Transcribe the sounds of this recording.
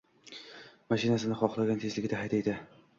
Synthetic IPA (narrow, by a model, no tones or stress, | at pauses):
maʃɪnasɪnɪχɒχlˠaɡʲant̪ʰezlɪɡʲɪd̪aɦajd̪ajd̪ɪ